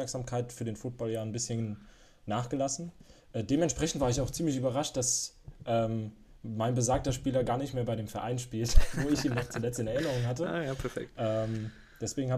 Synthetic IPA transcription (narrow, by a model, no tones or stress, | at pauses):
ɛɐkz̥aːmkʰaɪtfyːɐdeːnfuːt̚b̥ɔljaːnbɪsçən | naːχɡ̥əlasn̩ʔɛːdeːmɛnʃpʁ̥ɛçn̩tv̥aːɐɪçaʊxt͡siːmlɪçyːbɐʁaʃt̚d̥as | ʔɛːm | maɪnbəzaːk̚tɐʃpiːlɐɡaːɐnɪçtmeːɐbaɪɾeːmfɛɐʔa̰ɪnʃpiːltvoːɪçiːnɔχt͡sulɛt͡stɪnɛɐɪnəʁ̞ʊŋɦatəjapʰɛfɛ̰k̚tʔɛːm | d̥ɛsv̥eːɡŋ̩haː